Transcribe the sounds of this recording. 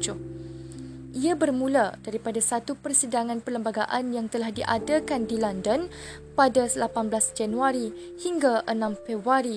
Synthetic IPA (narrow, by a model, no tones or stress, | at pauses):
d͡ʒʊ | ʔiabərmũlad̥aɾipadasat̪upərsidaŋãnpərləmbaɡaʔanjaŋt̪əlahdiʔadakandilandən | padaslapanblasd͡ʒanuaɾi | hiŋɡaʔənãmfɛbaɾi